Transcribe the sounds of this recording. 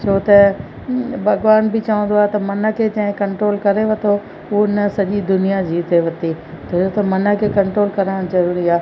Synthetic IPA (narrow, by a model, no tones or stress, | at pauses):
t͡ʃʰoːt̪ɐ | bʱɐɡʋaːnbɪt͡ɕɐʋə̃nd̪oaːɦt̪ɐmɐnə̆kʰet͡ɕɐ̃ɦɪ̃kɐ̃ɳʈɾoːlkɐɾeʋɐt̪ʰo | ɪnəsɐʄid̪ʊnijad͡ʑiːt̪eʋɐt̪i | t̪ɐt͡ʃʰot̪ɐmɐnə̆kʰekɐ̃ɳʈɾoːlkɐɾəɽ̃zɐɾuːɾiaː